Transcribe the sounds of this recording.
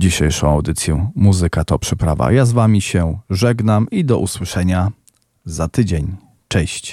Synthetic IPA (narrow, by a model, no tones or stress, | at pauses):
d͡ʑiɕɛjʂɔ̰̃w̃awd̪ɘt̪sʲjɛmuzɘkat̪ɔpʂɘpɾava̰jazvamʲiɕɛʐɛɡnamid̪ɔʔuswɘʂɛɲa | zat̪ɘd͡ʑeɲ | t͡ʂɛɕt͡ɕ